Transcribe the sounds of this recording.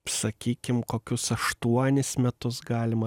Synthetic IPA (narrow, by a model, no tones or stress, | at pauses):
sɐkʲiːkʲɪmkoːkʲʊsɐʃt̪uɔnʲɪsmʲɛt̪ʊsɡɑːlʲɪmɐ